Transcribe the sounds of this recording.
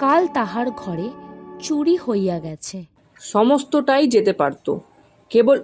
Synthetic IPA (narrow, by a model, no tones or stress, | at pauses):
kalt̪aɦaɾɡʱɔɾet͡ɕuɽihojaɡɛt͡ɕʰe | ʃɔmost̪oʈajd͡ʑet̪epaɾt̪o̰ | kebol